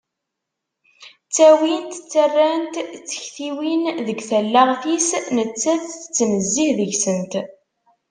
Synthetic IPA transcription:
t͡sːæwint̪t͡sːərːænt̪t͡sːə̥çθiwinðəɡθælːaʁθisnət͡sːæθθə̥t͡sːməzːihðəʝsənt̪

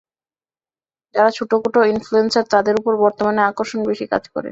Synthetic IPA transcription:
d͡ʑaɾat͡ɕʰuʈokoʈoinfluensaɾt̪ad̪eɾupoɾbɔɾt̪omaneakoɾʃonbeʃika̰d͡ʑkɔ̰ɾḛn

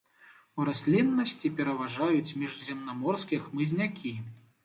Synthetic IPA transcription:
uɾasʲlʲinːɐsʲt͡sʲipʲɛɾɐvaʐajut͡sʲmʲiʐzʲɛmnamɔrskʲixmɨzʲnʲakʲʰi

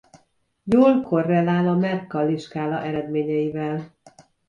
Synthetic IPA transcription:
joːlkorːɛlaːlɒmɛrkːɒliʃkaːlɒʔɛɾɛd̪meːɲɛjivɛl

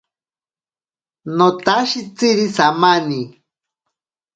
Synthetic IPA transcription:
not̪aʃit͡siɾisamani

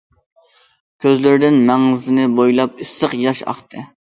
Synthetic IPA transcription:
kʲʰøzlɪɾɪd̪ɪnmɛŋɨzɪnɪbojlˠɑp̚isːəqjɑʃɑ̰χt̪ʰɨ

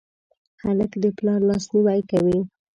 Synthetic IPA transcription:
xaləkd̪əplɑɾlɑsniwajkawi

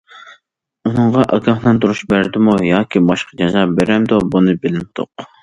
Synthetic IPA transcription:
unɨɴʁɑʔɑɡʲɑχlˠɑnt̪ʰuɾuʃbæɾd̪ɪmujɑːkʲʰibɑʃqɑd͡ʒɛzɑbeɾɛmd̪obunɨbɪlɪnɪd̪̥o̰q

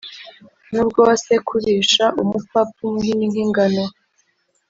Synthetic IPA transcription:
nubɡo̞ːse̞kʰuɾiʃaʔumupapuhininhiŋɡano

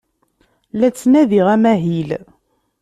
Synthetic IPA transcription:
læt͡sːnæðiʁæmæɦil

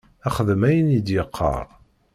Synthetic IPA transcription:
æχəðəmæjənjid̪jəqʰːə̰ɾˤ

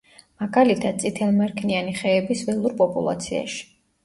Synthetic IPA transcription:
maɡalit̪ʰad̪̥̚t̪sʼit̪ʰɛlˠmɛɾkʰnianiχɛːbisvɛlˠuɾpʼɔpʼṵlˠa̰t̪sʰia̰ʃi̥

